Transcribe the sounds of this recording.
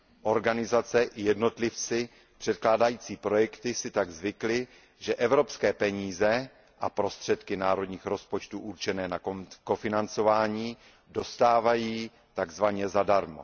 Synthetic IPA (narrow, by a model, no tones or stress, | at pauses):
ʔo̞ɾɡanɪzat͡sɛʔɪjɛdno̞t̪lɪft͡sɪ | pr̝̥ɛt̪̚klaːdajiːt͡siːpɾo̞jɛkt̪ɪsɪt̪aɡzvɪklɪ | ʒɛʔɛvɾo̞pskɛːpɛɲiːzɛ | ʔa̰pɾo̞st̪r̝̥ɛt̪kɪnaːɾo̞dɲiːxɾo̞spo̞t͡ʃt̪uʔuɾt͡ʃɛnɛːnakofɪnant͡so̞vaːɲiː | do̞st̪aːvajiː | t̪aɡzvaɲɛzadaɾmo̞̰